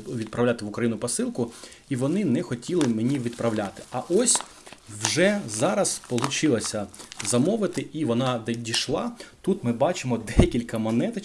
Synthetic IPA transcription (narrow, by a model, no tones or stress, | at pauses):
ʋʲid̪̚pɾɐwlʲat̪ɪʋʊkɾɐjinʊpɔsɪlˠkʊ | iʋɔnɪnɛxɔtʲilˠɪmenʲiʋʲid̪pɾɐʋlʲat̪ɪ̥ɐʔɔsʲ | wʒɛzɑɾɐzpɔlˠʊt͡ʃɪlˠɐsʲɐzɐmɔʋɪt̪ɪʔiʋɔnɑd̪ɛdʲiʃlˠɑt̪ut̪mɪbɑt͡ʃɪmɔd̪ɛkʲilʲkɐmɐnɛt̪